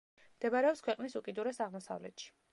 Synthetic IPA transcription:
md̪̥ɛbaɾɛɔpskʰwɛqʼnisukʼid̪uɾɛsaʁmɔsa̰vlɛ̰t̪ʃi̥

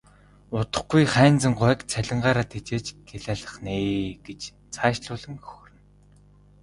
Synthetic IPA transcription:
ʊt̪ə̆χɡujχæːnt͡sə̆ŋɢʊːkt͡sʰæɮʲɪ̆ɴɢaːɾaːt̪ʰet͡ɕeːt͡ɕɡeɮæːɮə̆χneːɡ̥et͡ɕ | t͡sʰaːʃɮʊːɮɘ̆ŋxɵ̥x̆rɘ̆n

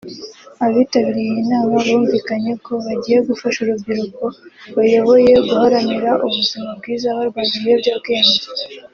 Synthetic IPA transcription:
aβitaβiɾijinaːmaβuːɱviːkaɲe̞ko̞βaɟiːje̞ɡufaʃuɾubɟiɾuko̞βajo̞βo̞je̞ɡuhaɾaniɾaʔuβuzimab̚ɡiːzaβaɾɡwaɟije̞bɟaɾɡe̞ːnze

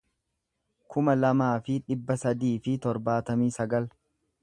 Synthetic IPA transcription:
kʊmɐlɐmaːfɪᶑɪbːɐsɐd̪iːfɪt̪ɔɾbaːt̪ɐmiːsɐɡɐl

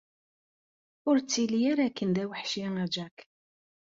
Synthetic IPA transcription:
ʊɾt͡sːilijaɾækːənd̪æwəħʃjaŋæd͡ʒæk

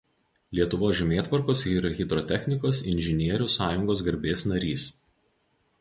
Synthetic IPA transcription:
lʲiɛt̪ʊʋoːsʒʲɛmʲeːt̪ʋɐɾkoːsiːɾɐɣʲɪd̪ɾɔt̪ʲɛxʲnʲɪkoːsɪnʲʒʲɪnʲiɛɾʲʊsɑːjʊŋɡoːsɡɐɾʲbʲeːsnɐɾʲiːs

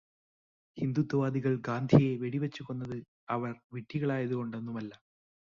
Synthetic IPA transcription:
hind̪ut̪ːɐʋaːd̪iɣɐɭɡaːnd̪ʱije̞ʋe̞ɽiʋɐt͡ɕːuɣo̞nːɐðɨ | ɐʋɐrʋiʈːiɣɐɭaːjɐðuɣo̞ɳɖenːumɐlːɐ

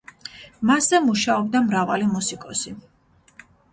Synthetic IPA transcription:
maszɛmuʃaɔb̚d̪amɾavalimusikʼɔsi

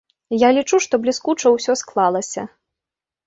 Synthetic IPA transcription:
jalʲit͡ʂuʂt̪ɔblʲiskut͡ʂɐwsʲɔsklˠalˠɐsʲɐ̰

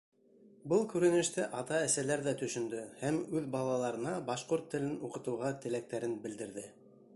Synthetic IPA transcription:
bɤlˠkʉɾɘ̆nɘ̆ʃt̪æʔɑt̪ɑæ̆sælæɾðæt̪ɵ̆ʃɵ̆nd̪ɵhæmʉðbɑlˠɑlˠɑɾɤ̆nɑbɑʃqoɾt̪ːɘ̆lɘnuqɤ̆t̪ɤ̆wʁɑt̪ɘ̆læk̚t̪æɾɘnbɘ̆ld̪ɘ̆ɾðɘ

